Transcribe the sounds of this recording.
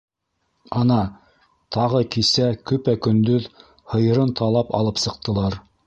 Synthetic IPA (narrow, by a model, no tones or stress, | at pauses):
ɑnɑ | t̪ʰɑʁɤkisækɵpækɵ̆nd̪ɵð | hɤ̆jɤ̆ɾɤnt̪ʰɑlˠɑpɑ̰lˠɤpsɤ̆q̚t̪ɤ̆lˠɑɾ